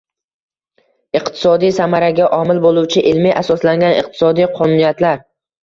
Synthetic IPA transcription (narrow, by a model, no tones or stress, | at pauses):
ɪqt̪ʰɪ̥sɒd̪ijsamaɾaɡʲaʔɒmɪlbolˠuwt͡ʃʰɪʔɪlmiʔasɒslaŋɡʲanɪq̚t̪ʰɪ̥sɒd̪ijqʰɒnuːnijat̪laɾ